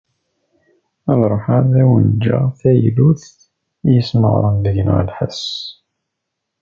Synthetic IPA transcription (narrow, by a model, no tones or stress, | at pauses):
əðˤɾˤoħaðæwənd͡ʒæ̰θæjluθ | jəsmə̰ʁ̰ɾˤənðəʝn̰ʁə̰lħəs